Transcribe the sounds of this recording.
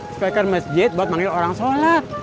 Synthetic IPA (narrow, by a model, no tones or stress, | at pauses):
spɛkərməsd͡ʒɪt̪̚baat̪̚maŋioɾaŋsolat̪̚